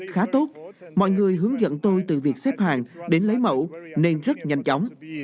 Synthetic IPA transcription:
xaː˨˦t̪o˦˥t̚mɔ̰˧˨jŋɨ˨˩əjɦɨ˨˦əŋzə̰˧˨nt̪o˧jt̪ɨ̰˧˨˩vi˨˩ək̚sɛ˦˥p̚haː˨˩ŋɗe˨˦nlə˨˦jmə̰˧˥wne˧nzə˦˥t̚ɲa˧jŋ̟t͡ɕɔ˨˦wŋ͡m

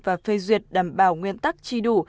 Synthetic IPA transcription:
vaː˨˩fe˧zwi˨ət̚ɗaː˨˩mɓaː˧˩wŋwi˧ənt̪a˦˥k̚t͡ɕi˧ɗu˧˩

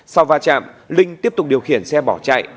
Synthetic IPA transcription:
sa˧wvaː˧t͡ɕa̰ː˧˨mlï˧ŋt̪i˦˥əp̚t̪ʊ˨˩k͡p̚ɗi˨˩əwxḭ˧˩ənsɛ˧ɓɔ˧˩t͡ɕa̰ː˧˨j

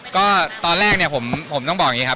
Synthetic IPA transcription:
kɔː˥˩t̪ɔː˧nɾɛː˥˩k̚ni˥˩ɐpʰo˩˦mpʰo˩˦mt̪ɔ˥˩ŋbɔː˨˩kji˦˥kʰa˦˥

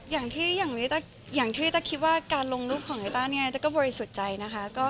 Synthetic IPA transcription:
jaː˨˩ŋt̪ʰiː˥˩jaː˨˩ŋniː˦˥t̪ɛː˥˩ | jaː˨˩ŋt̪ʰiː˥˩t̪ɛː˥˩kʰi˦˥t̪̚waː˥˩kaː˧nlo˧ŋɾuː˥˩p̚kʰɔː˨˩˦ŋʔeː˧t̪aː˥˩ni˥˨n˦t̪ɛː˥˩kɔː˥˩bɔː˧ɾi˧su˨˩t̪̚t͡ɕa˧jna˦˥kʰa˦˥kɔː˥˩

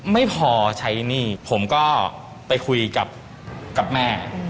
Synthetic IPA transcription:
ma˥˩jpʰɔː˧t͡ɕʰa˦˥jniː˥˩pʰo˩˦mkɔː˥˩ | pa˧jkʰu˧jka˨˩p̚ | ka˨˩p̚mɛː˥˩

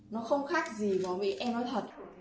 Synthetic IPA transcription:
nɔ˨˦xə˧wŋ͡mxaː˦˥k̚zi˨˩vɔː˨˩mḭ˧˥ʔɛ˧mnɔ˨˦jt̪ʰə˨˩t̚

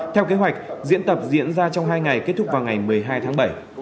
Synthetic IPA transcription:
t̪ʰɛ˧wke˨˦ɦwa˨˩jk̟̚zḭ˧˥ənt̪ə˨˩p̚zḭ˧˥ənzaː˧t͡ɕɔ˧wŋ͡mɦaː˧jŋa˨˩jke˦˥t̚t̪ʰʊ˥k̚vaː˨˩wŋa˨˩jmɨ˨˩əjɦaː˧jt̪ʰaː˨˦ŋɓə˧˩j

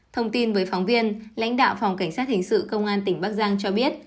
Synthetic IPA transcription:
t̪ʰə˧wŋ͡mt̪i˧nvəː˨˦jfɔ˨˦wŋ͡mvi˧ənla̰˧˥jŋ̟ɗa̰ː˧˨wfɔ˨˩wŋ͡mka˧˩jŋsaː˦˥t̚hï˨˩ŋ̟sɨ̰˧˨kə˧wŋ͡mʔaː˧nt̪ï˧˩ŋ̟ɓaː˦˥k̚zaː˧ŋt͡ɕɔ˧ɓi˦˥ət̚

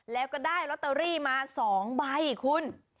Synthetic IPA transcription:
lɛː˦˥wkɔː˥˩daː˥˩jɾɔ˦˥t̪ːə˧ɾiː˥˩maː˧sɔː˩˦ŋba˧jkʰu˧n

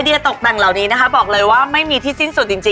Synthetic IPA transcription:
jdi˧ət̪o˨˩k̚da˨˩ŋla˨˩wniː˦˥na˦˥kʰa˦˥bɔː˨˩k̚lɤː˧jwaː˥˩ma˥˩jmiː˧t̪ʰiː˥˩si˥˩nsu˨˩t̪̚t͡ɕi˧ŋt͡ɕi˧

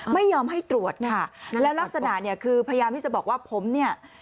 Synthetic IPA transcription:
ma˥˩jːɔː˧mɦa˥˩jt̪ɾu˨˩ət̪̚kʰa˥˩lɛː˦˥wla˦˥k̚sa˧na̰˨˩ʔni˥˩ɐkʰɯː˧pʰa˧ja˧jaː˧mt̪i˥˩t͡ɕa˨˩bɔː˨˩k̚waː˥˩pʰo˩˦mni˥˩ɐ

